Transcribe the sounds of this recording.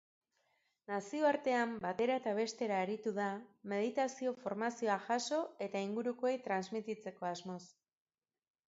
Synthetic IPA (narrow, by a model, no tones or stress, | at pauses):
nasio̞aɾt̪e̞ambat̪e̞ɾaet̪aβ̞e̞st̪e̞ɾaeɾit̪uðame̞ðit̪asio̞fo̞ɾmasio̞aʝaso̞e̞t̪aiŋɡuɾukoejt̪ɾanzmit̪it͡se̞ko̞azmo̞s